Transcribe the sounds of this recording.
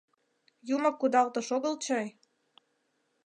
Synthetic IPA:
juməkːud̪ɑlt̪ɤ̆ʃoɣəlt͡ɕɑj

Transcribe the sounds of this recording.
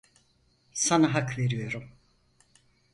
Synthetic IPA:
sanaɦakve̞ɾijo̞ɾum

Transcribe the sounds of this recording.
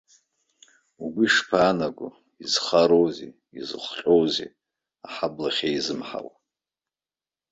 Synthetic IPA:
uɡʷiiʂpʰaːnaɡʷṵ | izχaɾowzḛ | izɨχʷɬʼowzḛ | aħablaχʲeizɨmħa̰w

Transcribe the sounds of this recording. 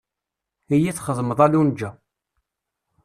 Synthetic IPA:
ijit͡sːχəzˤməðˤælund͡ʒːæ

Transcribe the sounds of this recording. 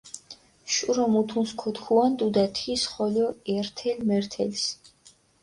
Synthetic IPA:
ʃuɾɔmut̪ʰunskʰɔt̪kʰuand̪ud̪at̪ʰisχɔljɔɛɾt̪ʰɛlmɛɾt̪ʰɛls

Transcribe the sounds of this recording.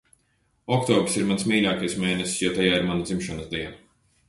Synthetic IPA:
ɔkt̪ɔːbɾsiɾmansmiːlʲaːkajsmeːnɛssjat̪ajaːiɾmanad̪zimʃɔnɨsd̪iɛna

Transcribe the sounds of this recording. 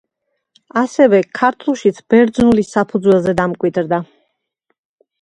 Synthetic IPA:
asɛvɛkʰaɾt̪ʰulˠʃit̪sʰb̥ɛɾd̪znulisapʰud̪zwɛlˠzɛd̪amkʼwid̪ɾd̪a

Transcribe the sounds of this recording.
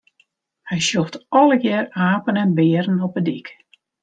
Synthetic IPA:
hɛjsjoftɔlˠəɡjɛːraːpənɛnbɪːɾənɔpədik

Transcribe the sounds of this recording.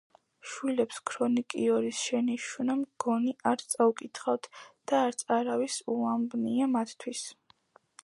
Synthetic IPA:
ʃwilɛpskʰɾɔnikʼiɔɾisʃɛniʃunamɡ̥ɔniʔaɾt̪sʼaukʼit̪ʰχawt̪ʰd̪̥aːɾt̪sʼaɾavisuambniamat̪ʰt̪ʰwis

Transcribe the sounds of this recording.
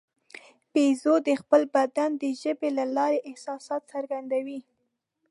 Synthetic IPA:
pezod̪əxpəlbad̪and̪əʒəbelalɑɾeʔɪhsɑsɑt̪saɾɡand̪awi

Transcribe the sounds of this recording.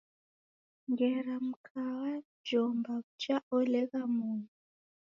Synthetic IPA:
ŋɡɛɾam̩kʰawa | d͡ʒɔmbakut͡ʃaɔlɛɣamunu

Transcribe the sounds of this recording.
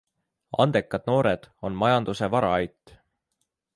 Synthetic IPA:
ɑ̰nd̪̥e̞kːˑɑd̪̥̚no̞ːɾed̪̥o̞nmɑjɑnd̪use̞vɑɾɑɑjt̪ːˑ

